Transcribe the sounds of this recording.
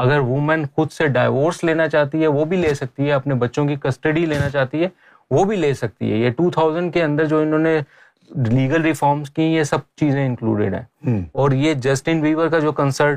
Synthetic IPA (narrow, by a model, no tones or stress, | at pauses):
ɐɡəɾʋʊmə̃nxʊd̪seɖaːɪʋoːɾsleːnat͡ʃaːt̪iɦɛʋobʱileːsɐk̚t̪iɦɛɐpnebɐtːʃõkikɐsʈəɖileːnat͡ʃaːɦt̪iɦɛː | ʋobʱileːsɐk̚t̪ḭɦɛ̰jeʈuːt̪ʰaːʊzə̃ɳɖkeɐ̃nd̪əɾd͡ʒoːɪnɦõːne | liːɡəlɾɪfɔːɾmskĩjesɐb̚t͡ʃiːzẽɪ̃ŋklṵːɖɪ̰ɖɦɛ̰̃ːɔːɾjed͡ʒɐsʈɪ̃nʋiːʋəɾkad͡ʒoːkɐ̃nsəɾʈ